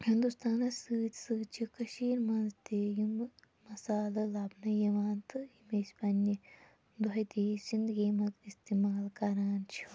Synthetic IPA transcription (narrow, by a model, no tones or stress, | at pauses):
hind̪ust̪aːnɐsɨːt̪sɨːt͡ʃʰikɐʃiːɾmɐnzt̪ejum | mɐsaːlɐlaːbnɐjɐʋaːnt̪ɨimesʲpɐnːi | d̪oɐjd̪eːsind̪ɡeːmɐt̪ist̪imaːlkɐɾaːnt͡ʃʰi̥